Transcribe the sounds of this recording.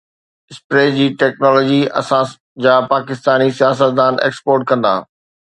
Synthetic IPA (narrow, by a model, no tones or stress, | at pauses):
ɪspɾeːd͡ʑiːʈɛːknɔːlɔːd͡ʑiɐ̰sã | d͡ʑaːpaːkɪst̪aːnisijaːs̬ət̪̚d̪aːnʔḛːkspoːɾʈ̚kɐ̃nd̪a̰ː